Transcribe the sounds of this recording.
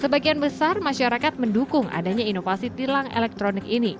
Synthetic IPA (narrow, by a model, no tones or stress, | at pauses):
səbaɡianbəsarmaʃaɾakat̪̚məndukʊŋa̰daɲainofasit̪ilaŋḛlɛk̚t̪ɾonɪkini